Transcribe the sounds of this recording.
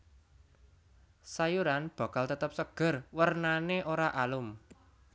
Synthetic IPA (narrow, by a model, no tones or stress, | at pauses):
sajuɾanb̥ä̤kalt̪ət̪əp̚səɡ̥ə̤rwərnaneʔoɾaʔalʊm